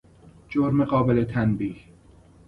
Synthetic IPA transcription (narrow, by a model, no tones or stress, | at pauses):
d͡ʒoɾmeɢɒːbelet̪ʰænbiːh